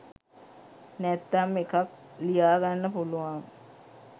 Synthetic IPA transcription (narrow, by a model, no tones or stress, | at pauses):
nɛt̪ːamekak̚ | lijaːɡanːəpuluʋaŋ